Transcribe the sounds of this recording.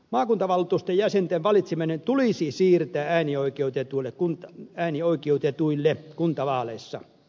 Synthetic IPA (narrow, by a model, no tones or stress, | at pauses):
mɑːkunt̪ɑʋɑlːut̪ust̪ejjæsent̪eʋʋɑlit̪seminent̪ulisisiːrt̪æːæːnioikeut̪et̪uilːekkunt̪ɑæːnioikeut̪et̪uilːekunt̪ɑʋɑːlesːɑ̰